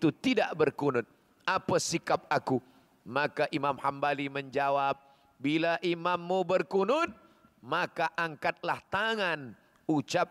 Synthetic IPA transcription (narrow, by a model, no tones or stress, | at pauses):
it̪ut̪idaʔbərkunʊt̪̚ | apasikap̚aku | makaʔimamhambaliməɲd͡ʒawap̚ | bilaʔimamːubərkunʊt̪̚ | makaʔaŋkat̪̚laht̪aŋan | ut͡ʃap̚